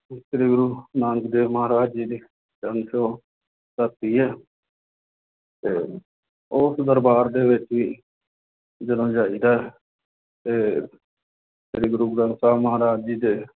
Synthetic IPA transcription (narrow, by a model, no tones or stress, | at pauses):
ʃɾiːɡɾuːnaːnəkd̪eːməɦaːɾaːd͡ʒiːd̪iː | d͡ʒəŋʃõː | t̪ət̪iːɦɛː | t̪eː | ʊsd̪əɾbaːɾd̪eːʋɪt͡ʃʋiː | d͡ʒəd̪õːd͡ʒaːiːd̪aːɦɛ | t̪eː | ʃɾiːɡɾuːɡɾənsaːməɦaːɾaːd͡ʒiːd̪eː